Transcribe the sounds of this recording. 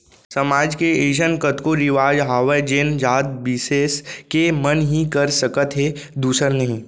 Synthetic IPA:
sɐmaːd͡ʒkeeːʃənkət̪koɾɪʋaːd͡ʒɦaːʋəd͡ʒend͡ʒaːd̪̚bɪseːskemənɦikəɾsəkət̪ɦe | d̪uːsəɾnɐɦĩː

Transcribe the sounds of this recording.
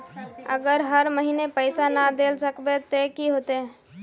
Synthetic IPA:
ə̰ɡəɾɦəɾməɦinepəɪsanad̪elsəkbet̪ekiɦot̪e

